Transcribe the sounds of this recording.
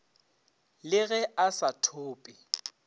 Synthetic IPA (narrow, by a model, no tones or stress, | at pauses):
lɪɣɛasatʰoːpʼɪ